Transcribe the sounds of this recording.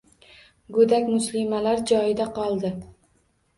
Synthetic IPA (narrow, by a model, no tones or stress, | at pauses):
ɡɵd̪akʲmʊslɪmalaɾd͡ʒɒjɪd̪aqʰɒlˠd̪ɪ